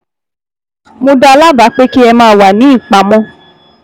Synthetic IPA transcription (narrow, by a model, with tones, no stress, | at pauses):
mo˧da˧la˦ba˨˦k͡pe˦ki˦ɛ˧mãː˧˦˨wa˨nĩ˨˦ĩ˦˨k͡pa˨˦mɔ̃˧˦